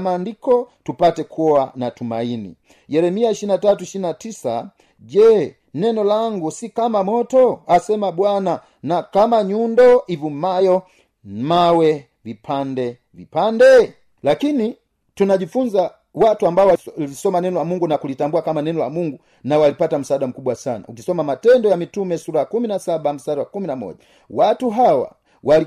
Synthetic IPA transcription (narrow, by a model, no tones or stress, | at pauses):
maːndikɔtupatɛkuɔanatuma̰inḭ | jɛɾɛmiaiʃinatatuiʃinatisa̰ | ɟɛː | nɛnɔlaŋɡusikamamɔtɔasɛmabwana | nakamaɲundɔivum̩majɔ | mawɛ | vipʰandɛ | vḭpandɛ | lakini | tunaɟifuɲza | watuambaɔwlisɔmanɛnɔlamuŋɡunakulitambuakamanɛnɔla̰muŋɡu | nawalipatam̩saːɗam̩kuɓwasana̰ukisɔmamatɛndɔjamitumɛsuɾaakuminasabam̩saɾaakuminamɔ̰ʄa | watuɦawa̰ | wali